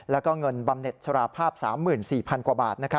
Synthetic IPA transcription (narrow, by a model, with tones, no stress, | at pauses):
lɛː˦˥wkɔː˥˩ŋɤ˧nba˧mne˨˩t̪̚sʰa˧ɾaː˧˩pʰaː˥˩p̚sa̰ː˩˦mːɯː˨˩nsiː˨˩pʰa˧nkwaː˨˩baː˨˩t̪̚na˦˥kʰa˦˥